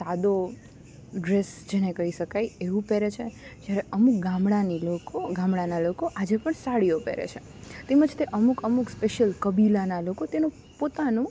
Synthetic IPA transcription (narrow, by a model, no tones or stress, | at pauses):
t̪ad̪o | ɖɾesd͡ʒenekəɦiʃəkajeʋũpeɾet͡ʃʰed͡ʒjaɾeəmukɡãmɭanilokoɡãmɭanalokoʔad͡ʒepəɳsaɽijopḛɾḛt͡ʃʰḛ | t̪eməd͡ʒt̪eʔəmukəmukspeʃijəlkəbilanalokot̪enũ | pot̪anũ